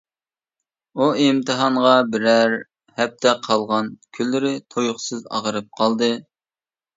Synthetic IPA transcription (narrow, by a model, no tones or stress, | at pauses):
uimt̪ʰɨɦɑɴʁɑbɪɾæɾ | hɛp̚t̪ʰɛqʰɑlˠʁɑnkʲʰylːɪɾɪt̪ʰojʊχsɨzɑ̰ʁəɾɨp̚qʰɑlˠd̪ɨ